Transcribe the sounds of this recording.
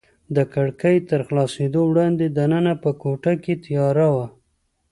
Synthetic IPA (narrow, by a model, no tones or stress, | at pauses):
d̪əkaɽkəjt̪əɾxlɑsed̪owɽɑnd̪ed̪anənapəkoʈaket̪jɑɾawa